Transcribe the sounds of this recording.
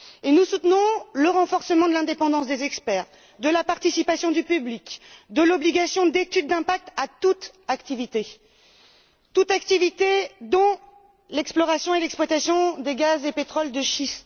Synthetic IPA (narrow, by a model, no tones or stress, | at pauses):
enusut̪nɔ̃ləʁɑ̃fɔʁsəmɑ̃d̪əlɛ̃d̪epɑ̃d̪ɑ̃sd̪ezɛkspɛʁ | d̪əlapaʁt̪isipasjɔ̃d̪ypyblikd̪əlɔbliɡʲasjɔ̃d̪et̪yd̪ːɛ̃pak̚t̪at̪ut̪ | akt̪ivit̪e | t̪ut̪ak̚t̪ivit̪ed̪ɔ̃ | lɛksplɔʁasjɔ̃elɛkspwat̪asjɔ̃d̪eɡazepet̪χɔld̪əʃist̪